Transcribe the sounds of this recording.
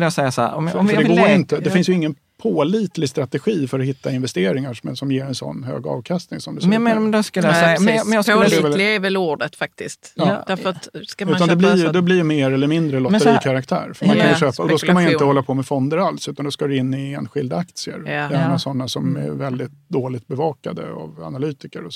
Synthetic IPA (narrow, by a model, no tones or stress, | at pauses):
ləjasɛjːasɔmfɖɛɡoːɾɪnt̪əd̪ɛfɪnsjɵɪŋːən | pʰoːliːt̪lɪst̪ɾat̪ɛɧiːfœɾɔɦɪt̪ːaɪnvɛst̪eːɾɪŋaʂmɛsɔmjeːɾɛnsɔ̰nːhø̰ːɡɑ̰ːvkʰast̪nɪŋsɔmd̪ɵsɛjɑmenad̪ɛsklːɛɛmɛjɑsld̪ɛllvɛluːɖət̪fak̚t̪ɪst̪jɑːd̪æɾfɾt̪ʉːt̪and̪ɛblɪd̪ɛblɪɾjɵmeːɾɛlːəɾmɪnd̪ɾəlɔt̪ːəɾiːkʰaɾakt̪ʰæ̰ːɾfœɾmmankʰanjʂøːpaɔdd̪ɔskamanjɵɪnt̪əhɔlːapʰɔmɛfɔnd̪əɾalsʉ̟t̪and̪ɔskad̪ɛɪnːɪeːnɧɪld̪aak̚t̪sɪə̰ɾɛnasɔnːasɔmɛ̰ɾvɛld̪ɪt̪̚d̪oːlɪt̪̚bɛvɑːkad̪ə̰a̰va̰nalyːt̪ɪkəɾɔs